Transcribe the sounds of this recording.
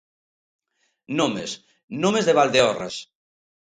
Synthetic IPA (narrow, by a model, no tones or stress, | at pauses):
nomes | nomezðeβald̪eɔra̰s